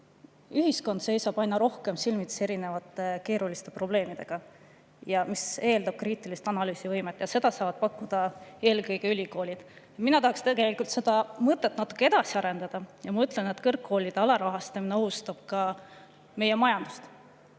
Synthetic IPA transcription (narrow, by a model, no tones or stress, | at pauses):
yɦisko̞nd̪se̞jsɑb̥ɑjnːɑɾo̞hke̞msilmit̪se̞ɾine̞vɑt̪ːˑe̞ke̞ːɾulist̪e̞pro̞ble̞ːmid̪̥e̞ɡ̥ɑ | jɑmise̞ːld̪ɑb̥̚kriːt̪ːˑilist̪ɑnɑlyːsivɤjmet̪ːˑjɑse̞d̪̥ɑsɑːvɑd̪̥̚pɑkːud̪̥ɑe̞ːlkɤjɡe̞ylʲiko̞ːlʲid̪̥ | minɑt̪ɑɦɑkst̪eɡe̞likult̪se̞d̪̥ɑmɤt̪ːˑe̞t̪ːˑnɑt̪ːu̥kːˑee̞d̪̥ɑsiɑɾe̞nd̪ɑd̪̥ɑjɑmɑyt̪ˑle̞net̪ːkɤrkːo̞ːlʲid̪̥eɑlɑɾɑɦɑst̪ɑmineo̞ɦust̪ɑb̥kɑ | me̞je̞mɑjɑnd̪̥u̥st̪